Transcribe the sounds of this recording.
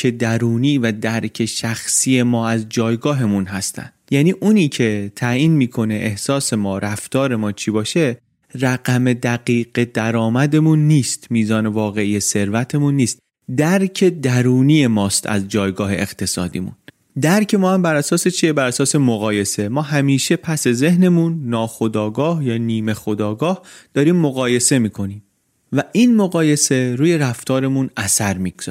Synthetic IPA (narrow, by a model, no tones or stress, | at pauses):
e̞d̪æɾuːniːvæd̪æɾcʰe̞ʃæxsiːje̞mɒːæzd͡ʒɒːjɡɒːɦe̞munɦæst̪ʰæ̰n | jæːniːʔuːniːcʰe̞t̪ʰæːʔiːnmiːkʰo̞ne̞ʔehsɒːse̞mɒːɾæft̪ɒːɾe̞mɒːt͡ʃʰibɒːʃe̞ | ræɣæme̞d̪æɣiːɢ̥e̞d̪̥æɾɒːmæd̪e̞munːiːst̪miːzɒːne̞vɒːɣe̞iːjese̞ɾvæt̪ʰe̞munːiːst̪ | d̪æɾcʰe̞d̪æɾuːniːje̞mɒːst̪ʰæ̰zd͡ʒɒːjɡɒːɦe̞̰ʔext̪ʰe̞sɒ̰ːd̪ḭːmṵn | d̪æɾcʰe̞mɒːhæmbæɾæsɒːse̞t͡ʃʰiebæɾæsɒːse̞moɣɒːje̞se̞mɒːɦæmiːʃe̞pʰæse̞ze̞hne̞munːɒːxo̞d̪ɒːɡɒːhjɒːniːme̞xo̞d̪ɒːɡɒːhd̪̥ɒːɾiːmːoɣɒːje̞se̞miːkʰo̞niːm | væʔinmoɣɒːje̞se̞ɾuːje̞ɾæft̪ʰɒːɾe̞munæsæɾmiːɡz̥i